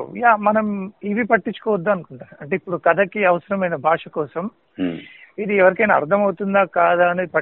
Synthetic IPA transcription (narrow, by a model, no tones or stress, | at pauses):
jaːmɐnɐmiʋipɐʈːiɲt͡ʃːu̥kɔːʋɐd̪ːuɐnukuɳʈaːɾuɐɳʈe̞ipːuɽukɐd̪ʰʱɐkiɐʋɐsɐɾɐmɐjnɐbʱaːʂɐkɔːsɐm | id̪iɛʋɐɾikɐjnaːɾt̪ʰɐmɐwut̪und̪aːkaːd̪aːɐneːd̪ipɐ